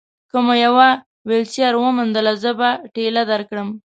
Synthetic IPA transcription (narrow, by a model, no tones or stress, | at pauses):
kəmojawa | welsjɑɾwəmund̪əlazəbaʈelad̪aɾkɽəm